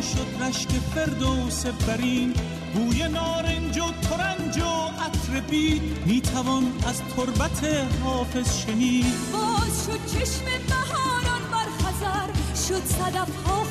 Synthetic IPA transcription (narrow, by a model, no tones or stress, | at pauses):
ʃod̪ɾæʃt̪efe̞ɾd̪owse̞bːæɾiːn | ɡuːjenɒːɾend͡ʒot̪ʰoɾænd͡ʒoæt̪ʰɾebiːd̪miːt̪ʰævɒnæzt̪ʰoɾbæt̪ʰeɦɒːfe̞z̥ʃeniːd̪̥bɒːzʃod̪̥̚t͡ʃʰeʃmebæɦɔːɾɒnbæɾxæzæɾʃod̪sæd̪æfhɒː